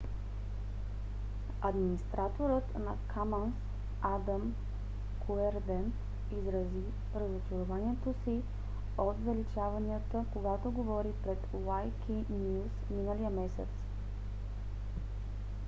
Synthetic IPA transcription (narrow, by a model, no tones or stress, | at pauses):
ɐd̪minist̪ɾat̪oɾət̪nɐkʰamans | ad̪əm | kʰoɛɾd̪ɛn | izɾɐzi | ɾəzot͡ʃɛɾovaniɛt̪osi | ot̪zɐlit͡ʃavɐniət̪əkoɡat̪oɡovɔɾipɾɛt̪ | lajkʲʰi | nʲusminəlijəmɛsɛ̰t̪s